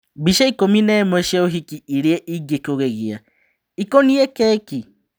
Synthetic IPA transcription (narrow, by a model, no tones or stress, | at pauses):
biʃaikominɛmwɛʃɛoɦikiiɾieʔiɡekoɣɛɣia | ikoniɛkɛːki